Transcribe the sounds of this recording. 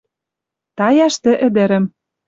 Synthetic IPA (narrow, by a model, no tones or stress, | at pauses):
t̪ɑjɑʃt̪ɘ̆ʔɘ̆d̪ɘ̆ɾɘ̆m